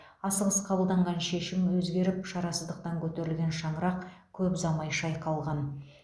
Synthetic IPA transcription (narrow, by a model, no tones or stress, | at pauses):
ɑsəʁəsqʰɑbəlˠd̪ɑɴʁɑnʃe̞ʃɪmwɵzɡʲe̞ɾɪpʃɑɾɑsəzd̪əq̚t̪ɑŋkʲʰɵt̪e̞ɾɪlɡʲe̞nʃɑnəɾɑq | kʲʰɵpzɑmɑjʃɑjqʰɑlˠʁɑn